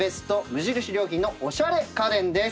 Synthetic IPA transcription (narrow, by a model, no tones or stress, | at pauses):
e̞sɨ̥t̪o̞mɯ̟ʑiɾɯ̟ɕiɾʲjo̞ːkʲĩnːo̞ʔoɕaɾe̞kad̪ẽ̞nd̪e̞